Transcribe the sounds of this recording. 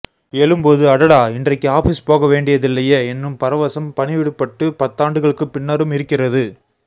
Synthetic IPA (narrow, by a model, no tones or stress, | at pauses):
ɛlɯmpoːðɯɐɽɐɽaːɪndrɐɪkːɯaːfiːspoːɣɐʋeːɳɖɪjɐðɪlːɐjeːɛnːɯmpɐɾɐʋɐsɐmpɐnɪʋɪɽɯpːɐʈːɯpɐt̪ːaːɳɖɯɣɐɭɯkːɯpɪnːɐɾɯmɪɾɯkːɪrɐðɯ